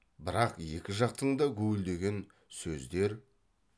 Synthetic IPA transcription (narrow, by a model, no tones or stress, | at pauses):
bɪɾɑqje̞kʲɪʒɑq̚t̪əɴd̪ɑkʲʰɵɡɪld̪e̞ɡʲe̞n | sɵzd̪e̞ɾ